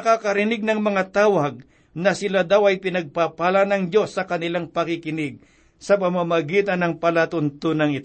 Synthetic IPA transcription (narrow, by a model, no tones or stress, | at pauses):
ɐkakɐɾɪnɪɡ̚nɐŋmɐŋat̪aːwɐɡ̚ | nɐsɪlad̪awɐjpɪnɐɡ̚papaːlanɐŋd͡ʒo̞sːɐkɐnɪlaŋpɐkɪkɪnɪɡ̚ | sɐp̬ɐmamɐɡiːt̪ɐnːɐŋpɐlat̪ʊnt̪onɐŋɪt̪